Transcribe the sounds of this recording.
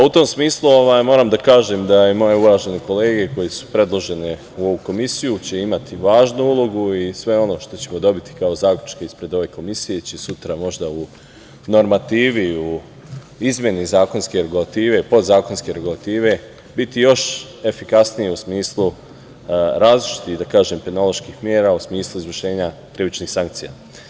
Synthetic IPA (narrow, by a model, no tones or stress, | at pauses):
paut̪o̞msmiːslˠuo̞ʋaːjmo̞ːɾamd̪akaːʒemd̪aemo̞je̞uɾaːʒe̞neko̞le̞ːɡe̞ko̞jesu̥pɾe̞d̪lˠo̞ʒe̞ne | uo̞ʋuko̞misijut͡ɕe̞imat̪iʋaːʒnuulˠo̞ɡuisʋe̞o̞no̞ʃt̪o̞t͡ɕe̞mo̞d̪o̞bit̪i̥kaozaːkʎʲut͡ʃkaispɾe̞d̪o̞ʋe̞ko̞misije̞t͡ɕe̞sut̪ɾamo̞ʒd̪au | no̞ɾmat̪iːʋiu | izmʲje̞nizaːko̞nske̞ɾe̞ɡulˠat̪iːʋe̞ipo̞d̪zaːko̞nske̞ɾeɡulat̪iːʋe̞ | bit̪ijo̞ʃ | e̞fikasnijeusmiːslˠu | ɾaːzlit͡ʃi̥t̪iɣd̪akaːʒempenolˠo̞ʃkixmjeːɾausmiːslˠuizʋr̩ʃe̞ːɲat̪ɾiʋit͡ʃnixsaŋkt̪sija̰